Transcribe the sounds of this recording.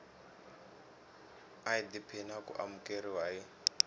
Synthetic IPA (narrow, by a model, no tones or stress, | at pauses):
aid̪ipʰinakṵʔa̰mukeɾiwaji